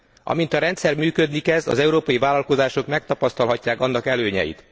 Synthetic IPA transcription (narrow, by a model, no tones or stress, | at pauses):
ʔɒ̰mint̪ɒɾɛnt̪sɛrmyːkød̪nikɛzɒ̰zɛuɾoːpɒjivaːlɒlko̞zaːʃo̞kmɛk̚t̪ɒpɒst̪ɒlɦɒcːaːkɒnːɒkɛløːɲɛ̰jḭt̪